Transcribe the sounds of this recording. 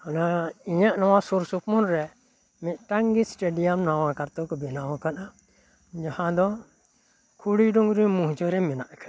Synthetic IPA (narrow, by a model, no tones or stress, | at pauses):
hanaiɲaʔnɔwãsuɾsupmɔnɾɛ | mɛʈaŋɡisʈeɖijamnawãkaɾt̪ɔkɔbɛnawãkana | d͡ʒahãd̪ɔ | kʰuɽiɖɔŋɡɾĩmũɦt͡ʃɔɾɛmɛnaʔkʰa